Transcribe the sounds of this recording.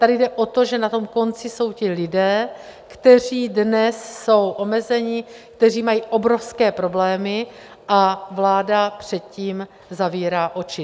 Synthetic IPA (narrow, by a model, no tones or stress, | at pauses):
t̪adɪdɛʔo̞t̪o̞ʒɛnat̪o̞mko̞nt͡sɪso̞wcɪlɪdɛːkt̪ɛr̝iːdnɛsːo̞wʔo̞mɛzɛɲɪkt̪ɛr̝iːmajiːʔo̞bɾo̞fskɛːpɾo̞blɛːmɪ | ʔavlaːdapr̝̥ɛt̪̚ciːm | zaviːɾaːʔo̞t͡ʃɪ